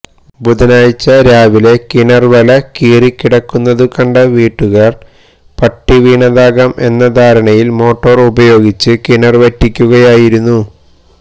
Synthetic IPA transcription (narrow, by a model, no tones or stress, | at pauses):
bud̪ɐnaːjt͡ɕːɐɾaːʋile̞kinɐrʋɐlɐkiːrikːiɽɐkːunːɐðukɐɳɖɐʋiːʈːuɣɐr | pɐʈːiʋiːɳɐðaːɡɐme̞̰nːɐd̪ʱaːɾɐɳɐjilmo̞ːʈːoːrubɐjo̞ːɡit͡ɕːɨkiɳɐrʋɐtːikʲːuɣɐjaːjiɾunːu